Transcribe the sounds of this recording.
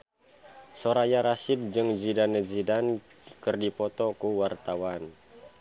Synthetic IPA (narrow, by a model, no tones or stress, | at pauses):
sɔɾajaɾasid̚d͡ʒɨŋd͡ʒidanəzidan | kərdipɔt̪ɔkuwart̪awan